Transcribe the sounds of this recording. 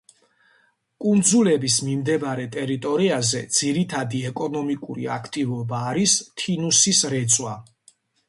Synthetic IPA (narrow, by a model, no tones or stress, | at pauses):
kʼund̪zulɛbismimd̪ɛbaɾɛt̪ʼɛɾit̪ʼɔɾiazɛd̪z̥iɾit̪ʰad̪iɛkʼɔnɔmikʼṵɾḭakʰt̪ʼivɔbaːɾist̪ʰinusisɾɛt̪sʼwa